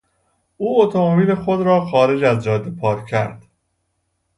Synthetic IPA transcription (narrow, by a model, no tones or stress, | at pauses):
ʔuːot̪ʰomobiːlexod̪ɾɒːxɒːɾe̞d͡ʒæzd͡ʒɒːd̪ːepʰɒːɾcʰæɾd̪̥